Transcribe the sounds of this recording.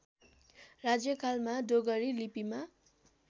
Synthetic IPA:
rad͡zjʌkʰalmadoɡʌɾilipima

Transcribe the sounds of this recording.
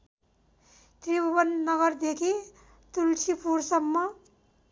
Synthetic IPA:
t̪ɾibʌbʌnːʌɡʌɾd̪ekʰi | t̪ult͡ʃʰipʰuɾsʌmːʌ

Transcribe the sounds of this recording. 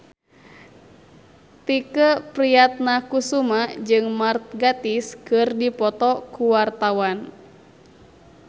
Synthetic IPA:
t̪ikəpɾiat̪̚nakusumad͡ʒɨŋmart̪̚ɡat̪iskɨrdipɔt̪ɔkuwart̪awan

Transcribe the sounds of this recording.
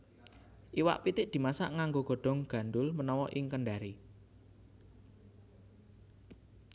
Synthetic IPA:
ʔiwa̰ʔpit̪ɪʔd̪̥i̤masa̰ʔŋaŋɡoɡ̥ɔ̤ɖ̥ɔ̤ŋɡ̥ä̤nɖʊlmənɔwɔʔɪŋkənɖaɾi

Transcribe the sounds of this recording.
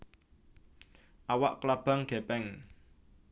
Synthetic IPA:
ʔawaʔklab̥a̤ŋɡ̥e̤pɛŋ

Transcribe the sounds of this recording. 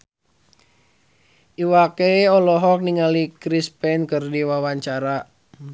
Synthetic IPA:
ʔiwakeiɔlɔɦɔk̚niŋalikɾispɛnkɨrdiwawaɲt͡ʃaɾa

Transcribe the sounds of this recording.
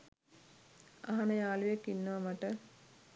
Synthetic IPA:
aɦanəjaːlujekːinːɐʋamaʈə

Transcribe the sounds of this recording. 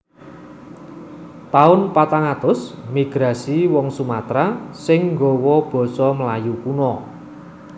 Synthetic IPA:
t̪aʊnpat̪aŋat̪ʊsmiɡ̥ɾa̤siwɔŋsumat̪ɾasɪŋŋɡɔwɔb̥ɔ̤sɔməlajukunɔ

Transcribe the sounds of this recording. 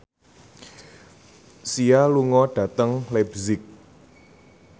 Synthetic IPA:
sialuŋɔɖ̥ä̤t̪əŋlɛbzɪk̚

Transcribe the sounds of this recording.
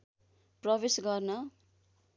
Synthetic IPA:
prʌbesɡʌrnʌ

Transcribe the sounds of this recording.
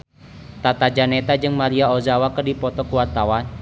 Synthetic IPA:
t̪at̪ad͡ʒanɛt̪ad͡ʒɨŋmaɾiaozawakərdipɔt̪ɔkuwart̪awan

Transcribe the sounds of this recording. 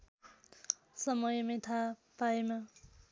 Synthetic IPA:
sʌmʌjmet̪ʰapajma

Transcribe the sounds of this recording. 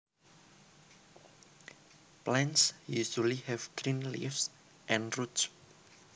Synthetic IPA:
plɛ̃nsjuʃulihɛvɡɾĩnlḭfs | ʔɛ̃nruts

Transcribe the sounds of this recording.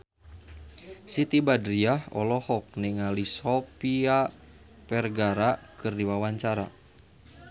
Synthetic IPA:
sit̪ibadɾiahɔ̰lɔhɔk̚niŋalisɔpia | pɛrɡaɾakɨrdiwawaɲt͡ʃaɾa̰

